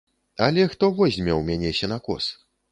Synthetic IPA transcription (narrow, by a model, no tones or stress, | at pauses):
ɐlʲɛxt̪ɔvɔzʲmʲɛwmʲanʲɛsʲɛnakɔ̰s